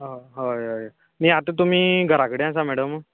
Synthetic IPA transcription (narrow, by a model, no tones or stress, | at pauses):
ɦoɦoo | niːat̪ət̪um̤iːɡʱəɾakəɽeas̬amɛɽəm